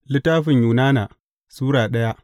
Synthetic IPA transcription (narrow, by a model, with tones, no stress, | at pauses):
lɪ˦taː˦ɸɪ˨ɲjuː˨naː˦naː˨ | suː˦ɽaː˨ɗɐ˦ja˦ʔ